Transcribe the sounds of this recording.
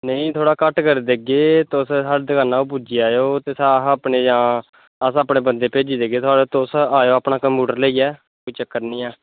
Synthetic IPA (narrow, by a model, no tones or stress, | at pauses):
nəĩːt̪ʰoːɽaːkəʈkəɾid̪eːɡeːt̪ossaːɽd̪əkaːnaːup̬uːd͡ʒiːaːjoːt̪eːsaɦəpɳeːd͡ʒãː | əsəpɳeːbənd̪eːpeːd͡ʒiːd̪eːɡeːt̪ʰʊaːɽet̪osaːjoːaːpɳaːkəmpjuːʈəɾləiːɛː | koːiːt͡ʃəkːəɾnĩːɛː